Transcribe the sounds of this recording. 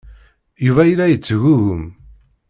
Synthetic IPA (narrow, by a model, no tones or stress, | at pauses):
juvæjəlːæjət͡sːɣuɣəm